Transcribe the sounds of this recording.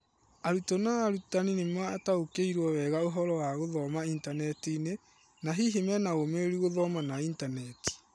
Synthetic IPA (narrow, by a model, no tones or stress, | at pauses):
aɾutɔnaːɾutaninemwaːtaokeiɾwɔwɛɣaoɦɔɾɔwaɣoðɔmaintanɛtine | naɦiɦemɛnaɣomeɾiɣoðɔmanaintanɛti̥